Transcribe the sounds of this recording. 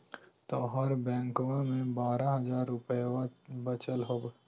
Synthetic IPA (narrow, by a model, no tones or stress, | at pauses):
t̪ɔːɦɔɾbɛ̃ːŋkʋãmẽbaːɾaɦɐzaːɾʊpebət͡ʃəlɦoːb